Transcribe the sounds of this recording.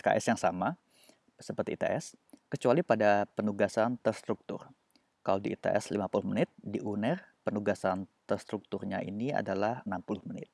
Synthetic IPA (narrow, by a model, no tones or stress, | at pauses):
ka̰ʔɛsjaŋsama | səpərt̪iːt̪ḛʔɛskət͡ʃualipadapənuɡasant̪ərst̪ɾuk̚t̪ʊ̰r | kalodiːt̪ḛʔɛ̰slimapuluhmənɪt̪̚diʔunɛrpənuɡasant̪ərst̪ɾuk̚t̪ʊrɲa̰ʔḭnia̰dalahənampulʊhmənɪ̰t̪̚